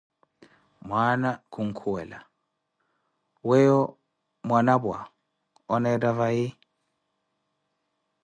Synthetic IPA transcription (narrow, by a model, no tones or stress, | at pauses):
mwanakʰuŋ̩kʰuwɛla | wɛjɔ | mwanabwa̰ | ɔnɛɾavai